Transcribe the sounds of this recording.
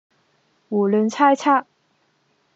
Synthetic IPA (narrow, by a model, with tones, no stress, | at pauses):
wɔ˨˩lə˧˥nt͡sʰa˥ɪt͡sʰa˥